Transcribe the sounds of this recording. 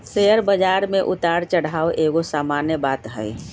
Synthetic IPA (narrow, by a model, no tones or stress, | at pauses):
sejəɾbəd͡ʒaːɾmẽʔʊt̪aɽt͡ʃəɽ̤aːoʔeːɡosaːmaːnjəbaːt̪ɦə̰ɪ